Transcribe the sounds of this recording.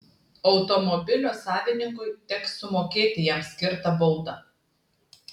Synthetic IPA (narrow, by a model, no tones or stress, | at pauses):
ɒʊt̪ɔmɔbʲɪlʲoːsɑːʋʲɪnʲɪŋkʊɪt̪ʲɛksʊmoːkʲeːt̪ʲɪjɛmsʲkʲɪɾt̪ɐbɔʊd̪ɐ